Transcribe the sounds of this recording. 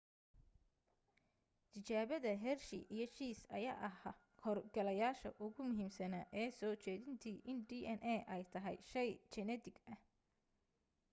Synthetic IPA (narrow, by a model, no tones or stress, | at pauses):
t̪ʰɪt͡ʃaːβɐðɐɦɛrʃɪ̰ʔijɞʃiːsɐ̰ja̰ːʔɐɦɐ | kʰɔrɡɐlɐjaːʃɐʔʊɣʊmʊɦiːmsɐnɐʔɛːsɔːt͡ʃɛːðɪnt̪ʰiːʔɪnɖiːʔɛnʔɛʔɛjt̪ʰɐɦɛjʃɛjt͡ʃɛnɛt̪ʰɪɡɐh